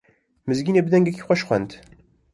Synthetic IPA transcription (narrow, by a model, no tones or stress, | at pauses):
məzɡinæbðæŋɡækːi̥χʷæʃχʷæ̰nt̪